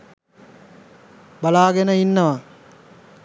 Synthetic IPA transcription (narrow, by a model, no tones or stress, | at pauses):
balaːɡɛnəinːəʋa